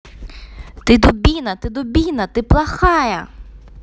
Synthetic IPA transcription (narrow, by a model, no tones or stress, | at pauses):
t̪ɪd̪ʊbʲinɐt̪ɪd̪ʊbʲinɐt̪ɪplˠɐxɑjɐ